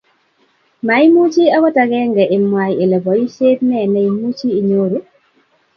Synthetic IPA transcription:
ma˨˦i˦mu˦t͡ʃi˦a˦kɔ˦ta˨˦ɡɛ˦ŋɡɛ˨ʔɪ˨mwa˨je˨lɛ˨bɔ˨i˦se˦tnɛ˦˨nɛ˨i˨mu˦t͡ʃiː˦˨ɲo˦ɾo˨˦

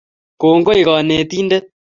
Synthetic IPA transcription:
koː˨ŋɡo˦i˨ɣɔ˨ne˨t̪iː˦nde˦

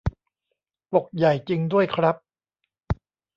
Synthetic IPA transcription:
po˨˩k̚ja˨˩jt͡ɕi˧ŋdu˥˩əjkʰɾa˦˥p̚

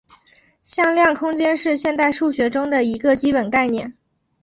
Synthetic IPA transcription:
ɕjɑ˥˧ŋljɑ˥˩ŋkʰʊ˥ŋt͡ɕjɛ˥nʂɻ̩˥˧ɕjɛ˥˧nt̪a˥˧ɪʂu˥˩ɕɥɛ˧˥ʈ͡ʂʊ˥ŋd̪ə˨i˧˥ɡə˧t͡ɕi˥pə˨˩nka˥˧ɪnjɛ˥˩n

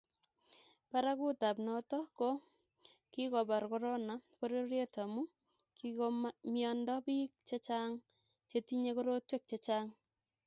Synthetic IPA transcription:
pa˦ɾa˦ku˦ta˨pnɔtɔ˦ko˦ | ki˦kɔ˨ba˨rko˦ɾo˦na˨ko˦ɾo˦ɾje˦ta˨mu˦ | kikomjɔndɔ˦pi˦k̚t͡ʃe˦t͡ʃaŋ | t͡ʃe˦ti˦ɲe˦ko˦ɾo˦twe˦k̚t͡ʃe˦t͡ʃaːŋ

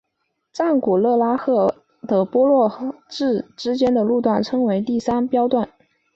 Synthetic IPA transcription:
ʈ͡ʂa˥˩nku˨˩lɤ˥˩la˥xɤ˥˩ | d̪ɤ˨˩pwɔ˥lwɔ˥˩ʈ͡ʂɻ̩˥˩ʈ͡ʂɻ̩˥t͡ɕjɛ˥nd̪ə˨lu˥˧t̪wa˥˩nʈ͡ʂʰɤ˥ŋwe˧˥ɪt̪i˥˩sa˥npjɑ˥ʊt̪wa˥˩n

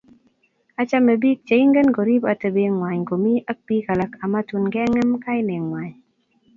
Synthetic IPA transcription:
a˦t͡ʃa˦me˨bi˦k̚t͡ʃe˨i˦ŋɡə˦nɡɔ˨ɾi˦ba˨tə˨be˨ŋwa˨ɲɡo˨mi˦a˦k̚pi˦ka˨la˨ka˨ma˦tu˨nɡɛ˦ŋɛ˦mka˦ɪ˦ne˨ŋwa˨ɲ

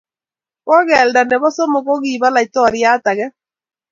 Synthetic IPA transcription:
kɔ˦ɣɛ˨lda˨ne˨βɔ˦so˦mo˨ɣo˦ɣiː˨βa˦la˨i˨tɔ˦˨ɾia˦ta˨ɣɛ˦

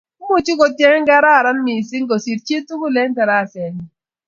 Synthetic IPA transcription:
mu˦t͡ʃu˦kɔ˨tjɛ˦ŋ˦ŋɡa˦ɾa˦˨ɾa˦nmi˨si˦ŋɡo˨si˨t̚t͡ʃe˦tu˦ku˦le˦ŋ˦ta˨ɾa˦˨sɛ˨n˨

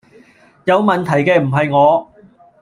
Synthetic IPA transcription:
jɐ˨˧wmɐ˨nt̪ʰɐ˨˩jkɛː˧m̩˨˩ɦɐ˨jŋɔː˨˧

